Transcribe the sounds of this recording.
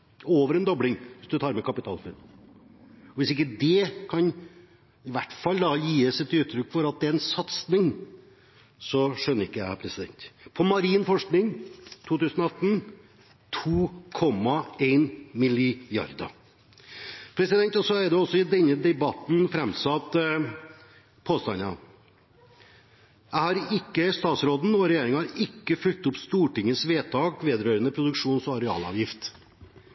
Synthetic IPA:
oːʋəɾɛnd̪ɔblɪŋʋɪsd̪ʉt̪ʰɑːɾmɛkʰɑpɪt̪ʰɑ̰ːlfʉɾ | ɔʋɪsɪkːəd̪ɛkʰɑn | ɪʋæʈːfɑlːd̪ɑjiːəsɛt̪ʉːt̪ʰːɾʏkːfɔɾɑt̪̚d̪ɛæɾɛnsɑt̪snɪŋ | sɔʂœnːəɾɪkːəjæɪhæɾpʰɾɛsɪd̪ɛ̰nt̪pʰɔmɑɾiːnfɔʂknɪŋt̪ʰuːt̪ʉːsənɔɑt̪ːn̩ | t̪ʰuːkʰɔmːɑeɪnmɪlɪjɑ̰ɾd̪ɑ̰ | pʰɾɛsɪd̪ɛnt̪ɔsɔæɾɖɛɔsːɔɪd̪ɛnːəd̪ɛbɑt̪n̩fɾɛmsɑt̪ | pʰoːst̪ɑnɑ̰ | æɪhɑɾɪkːəst̪ɑːt̪sɾoːd̪n̩ɔɾɛjeːɾɪŋɑɾɪkːəfʉlt̪ʊpst̪uːʈɪŋːəsʋeːt̪ʰɑːkʋeːd̪ɾøːɾənəpʰɾʊd̪ʉkʂuːnsɔɑɾɛɑ̰ːlɑ̰ːʋjɪft̪

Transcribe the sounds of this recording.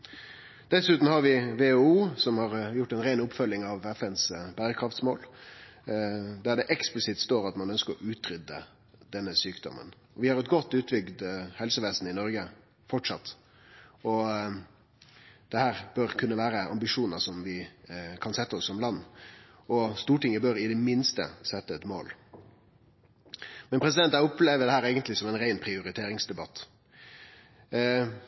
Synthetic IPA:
d̪̥ɛsʉːt̪n̩hɑɾʋɪʋeːouːsɔmhɑɾjʊʈːɛnɾeːnʊpːfœlːɪŋɑʋɛfɛnsbæːɾəkʰɾɑft̪smoːl | d̪æɖɛʔɛksplɪsɪt̪st̪oːɾɑt̪mɑnœnskəɾɔʔʉːt̪ɾʏd̪ːə | d̪̥ɛnːəsyːkd̪ɔ̰mːə̰n | ɔʋɪhɑɾɛt̪ɡɔt̪ːʉːt̪bʏɡd̪hɛlsəʋeːsn̩ɪnɔɾɡə | fɔʈʂɑt̪ː | ɔ | d̪̥ɛhæːʁb̥œɾkʰʉnːəʋæːɾəɑ̰mbɪʂuːnəʂɔmʋɪkʰɑnsɛt̪ːəɔsːɔmlɑnː | ɔst̪uːʈɪŋəbœɾɪd̪ɛmɪnst̪ə̰sɛt̪ːəɛt̪mo̰ːl | mɛnpʰɾɛs̬ɪd̪ɛnt̪æɪɔpleːʋəɖ̪ɛhæːɾeːɡənt̪lɪsɔmɛɪnɾæɪnpʰɾɪʊɾɪt̪ʰeːɾɪŋsd̪ɛbɑt̪ː

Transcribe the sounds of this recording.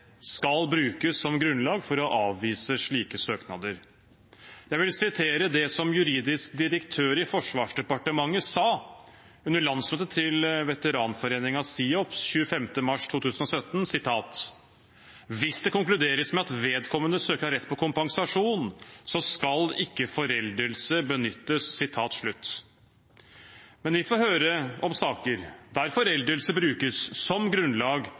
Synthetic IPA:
skɑlbɾʉːkəsːɔmɡɾʉnlɑːɡfɔɾɔʔɑːʋːiːsəʂɭiːkəsøːknɑd̪əɾ | jæɪʋɪlsɪt̪ʰeːɾəd̪ɛsɔmjʉɾiːd̪ɪskd̪ɪɾəkt̪ʰøːɾɪfɔʂʋɑːʂɖɛpɑʈəmɑŋːəsɑː | ʉnːəɭɑnsmøːt̪ət̪ʰɪlʋɛt̪əɾɑːnfɔɾeːnɪŋɑsiːɔpsçʉːəfɛmt̪əmɑʂt̪ʰuːt̪ʰʉːsənɔsœt̪nsɪt̪ʰɑːt̪ | ʋɪsd̪ɛkʊŋklʉd̪eːɾəsmɛɑt̪ʋeːd̪kʰɔmːənəsøːkəhɑɾɛt̪ːpʰɔkʰʊmpɑŋsɑʂuːnsɔskɑlɪkːəfɔɾɛld̪əlsəbənʏt̪ːəsːɪt̪ʰɑːt̪ʂɭʉt̪ː | mɛnʋɪfoːhøːɾəɔmsɑːkəɾd̪æɾfɔɾɛld̪əlsəbɾʉːkəsːɔmɡɾʉnlɑːɡ

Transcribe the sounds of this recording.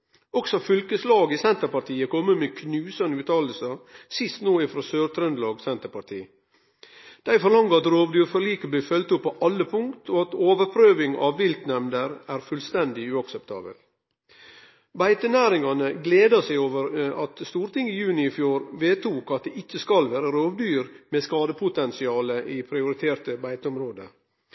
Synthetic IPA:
ɔksɔfʏlkəslɑːɡɪsɛnt̪əɾpɑʈ̪ʰiːəkʰɔmːəmeːkʰnʉːsɑnəʉːt̪ɑːləl̩səsɪst̪noːɪfɾɑsøːɾt̪ʰɾœnd̪lɑːɡsɛnt̪əɾpɑt̪ʰḭː | d̪̥æɪfɔɾɭɑŋːəɾɑt̪ɾoːʋd̪yːəfɔɾliːkəbliːfœlt̪ʊpːɔʔɑlːəpʰʊŋkt̪ʰoːɑt̪oːʋəɾpʰɾøːʋɪŋɑ̰ʋːɪlt̪nɛmd̪əɾæːɾfʉlst̪ɛnd̪ɪʉːɑksɛp̚t̪ʰɑ̰ːbə̰l | bæɪt̪ənæːɾɪŋɑnəɡleːd̪ɑsæɪoːʋəɾɑt̪st̪uːɾt̪ɪŋɪjʉːnɪɪfjuːɾʋeːt̪uːkɑt̪̚d̪eːʔɪt͡ʃːəskɑlʋæːɾəɾoːʋd̪yːɾmeːskɑːd̪əpʰʊt̪ɛnsɪɑːləʔiːpʰɾɪʊɾɪt̪ʰeːɾʈ̪əbæɪt̪əɔmɾoːd̪ə̰

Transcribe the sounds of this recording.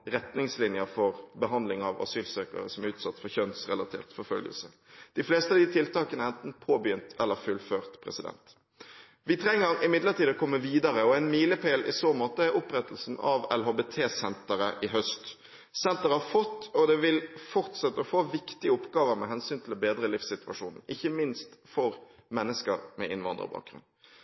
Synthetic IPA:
ʁɛt̪nɪŋslɪnjəfɔʁbəɦɑnd̪lɪŋɑʋɑ̰syːlsøːkə̰ʁə̰sɔmæɾʉːt̪sɑt̪ːfɔçœnsʁɛlɑt̪ʰḛːʁt̪fɔʁfœ̰lɡə̰lsə̰ | d̪̥ɪfleːst̪əɑd̪ɪt̪ʰɪlt̪ɑːkənəɛnt̪n̩pʰoːbjʏnt̪ʰɛlːəɾfʉlføːʁt̪pʰʁɛ̰sɪd̪ɛ̰nt̪ | ʋɪt̪ʰɾɛŋːəɾɪmɪd̪ləʁt̪iːd̪ɔkʰɔmːəʋiːd̪ɑɾəɔæɪnmiːləpʰeːlʔɪ̰soːmoːt̪əæɾʊpɾɛt̪əl̩sn̩ɑʋɛlɦoːbeːt̪ʰeːsɛnt̪əʁəʔɪɦœst̪ | sɛnt̪əʁəhɑfɔt̪ːɔd̪ɛʋɪlfɔʁt̪sɛt̪ːəɔfoːʋɪkt̪ɪəʊpɡɑːʋəɾmɛ̰ɦɛnsyːnt̪ʰlbeːd̪ɾəlɪfsɪt̪ʉɑ̰ʂuːnn̩ɪçːəmɪnst̪fɔʁ | mɛnːəskəɾmɛ̰ʔɪnʋɑ̰nd̪ə̰ʁ̰bɑ̰ːk̚ɡʁʉ̰nd̪

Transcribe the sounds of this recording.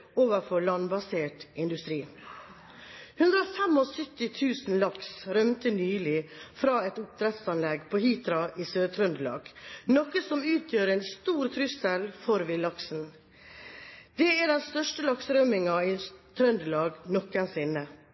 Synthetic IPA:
oːʋəɾfɔɭɑnbɑseːʈʔɪnd̪ʉst̪ɾiː | hʉnd̪ɾəofɛmɔsœt̪ːɪt̪ʰʉːsn̩lɑksɾœmt̪ənyːlɪfɾɑːɛt̪ʊp̚t̪ʰɾɛt̪sɑnlɛɡpʰoːhɪt̪ɾɑʔisøːt̪ʰɾœnd̪əlɑ̰ːɡnɔkːəsɔmʉːt̪ʰjøːɾɛnst̪uːɾt̪ʰɾʏsəlfɔɾʋɪlɑksn̩ | d̪̥ɛæɖɛnst̪œʂʈəlɑksɾœmɪŋɑɪt̪ʰɾœnd̪əlɑːɡnɔkənsɪnːə

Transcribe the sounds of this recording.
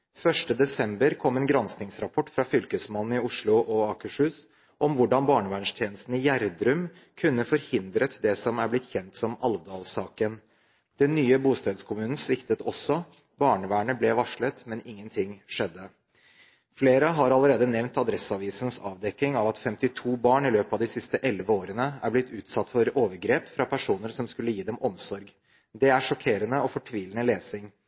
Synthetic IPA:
fœʂʈəd̪ɛsɛmbəɾkʰɔmːeːnɡɾɑnsnɪŋsɾɑpʰɔʈːfɾɑfʏlkəsmɑnn̩ɪʊʂɭʊʔɔɑːkəʂhʉːs | ʔɔmʋʊɖɑnbɑːɳəʋæːɳʂt̪ʰjeːnəst̪n̩ɪjæɾd̪ɾʉm | kʰʉnːəfɔɾhɪnd̪ɾət̪d̪ɛsɔmæɾblɪt̪ːçɛnt̪sɔmɑ̰lʋd̪ɑːlsɑːkən | d̪̥ɛnːyːəbuːst̪eːd̪skʰʊmʉːnn̩sʋɪkt̪ət̪ɔsːɔ | bɑːɳəʋæːɳəblɛʋɑʂɭət̪mɛnɪŋːənt̪ʰɪŋʂɛd̪ːə | fleːɾəɦɑɾɑləɾeːd̪ənɛʋnt̪ɑd̪ɾɛsɑʋiːsən̩sɑ̰ːʋd̪ɛk̪ːɪŋɑʋɑt̪fɛmt̪ɪt̪ʰuːbɑːɳɪløːpɑʋd̪ɪsɪst̪əʔɛlʋəoːɾənəæ̰ɾblɪt̪ʰːʉːt̪sɑt̪ːfɔɾoːʋəɾɡɾeːpfɾɑpʰæʂuːnəɾsɔmskʉlːəjiːd̪ɛmɔmsɔɾɡ | d̪ɛæʂɔkʰeːɾənəɔfɔʈʰʋiːlənəleːsɪŋ

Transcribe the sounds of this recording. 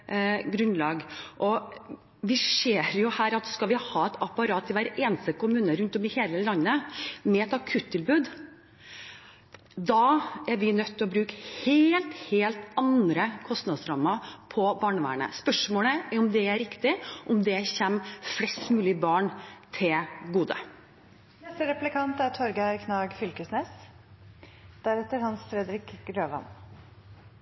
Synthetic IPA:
ɡɾʉnlɑːɡʔɔ | ʋɪʂeːɾjʊhæːɾɑt̪skɑlʋɪhɑːɛt̪ʰɑpɑɾɑːt̪ɪʋæɾeːnst̪əkʰʊmʉːnəɾʉnt̪ɔmɪheːləlɑnːəmɛɛt̪ɑkʰʉt̪ʰːɪlbʉːd̪ | d̪ɑːæɾʋɪnœt̪ʰːɔbɾʉːkheːlt̪heːlt̪ɑnd̪ɾəkʰɔst̪nɑd̪sɾɑːməɾpʰɔbɑːɳəʋæ̰ːɳə̰spœʂmoːləæɾʊmd̪ɛæɾɪkt̪ɪʔɔmd̪ɛçɛmflɛst̪mʉːlɪbɑːɳt̪ʰɪlɡuːd̪ə̰ | nɛst̪əɾɛplɪkʰɑnt̪æt̪ʰɔɾɡæɾkʰnɑːɡfʏlkəsneːs | d̪̥æɾɛt̪ːəɾhɑnsfɾɛd̪ɾɪkɾøːʋɑ̰n

